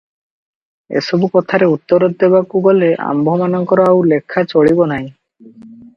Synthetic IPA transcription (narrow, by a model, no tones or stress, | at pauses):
ḛsɔbukɔt̪ʰaɾeut̪ːɔɾɔt̪̚d̪ebakuɡɔleʔa̰mbʱɔmanɔŋkɔɾɔawlekʰːat͡ʃoɭibonaj̃